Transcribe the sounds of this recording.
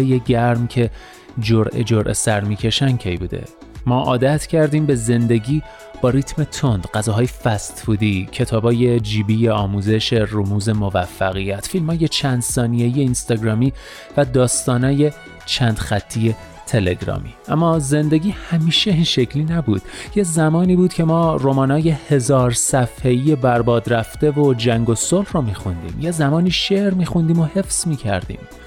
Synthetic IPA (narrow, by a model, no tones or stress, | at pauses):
ejeɟæɾmcʰe̞ | d͡ʒoɾʔḛd͡ʒoɾʔe̞̰sæɾmiːcʰe̞ʃæncʰejbṵːd̪ḛ | mɒːʔɒːd̪æt̪ʰcʰæɾd̪iːmbe̞ze̞nd̪e̞ɟiː | b̥ɒːɾiːt̪ʰme̞t̪ʰond̪̥ɢæzɒːɦɒːjefæst̪buːd̪iːcʰe̞t̪ʰɒːbɒːje̞d͡ʒiːbiːjeɒːmuːze̞ʃe̞rumuːze̞movæfːæɣijæt̪filmhɒːje̞t͡ʃʰænd̪̥sɒːnijeijeinst̪ɒːɡɾɒːmiː | væd̪ɒːst̪ɒːnɒːje̞ | t͡ʃʰæːnd̪̥xæt̪ʰːije̞ | t̪ʰe̞le̞̰ɡɾɒ̰ːmḭːʔæmːɒːze̞nd̪e̞ɟʲiːhæmiːʃe̞inʃe̞cʰliːnæbuːd̪̥jezæmɒːniːbuːd̪̥cʰe̞mɒːɾomɒːnɒːje̞he̞zɒːɾsæfhe̞iːje̞bæɾbɒːd̪ɾæft̪e̞vod͡ʒæŋɡo̞solhromiːxund̪ḭːmjezæmɒːniːʃeʔɾmiːxund̪iːmo̞he̞fsmiːcʰæ̰ɾd̪ḭːm